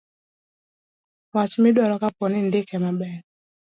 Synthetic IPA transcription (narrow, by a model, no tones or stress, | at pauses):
wat͡ʃimiɗwaɾɔkapɔnindɛkɛmaɓɛ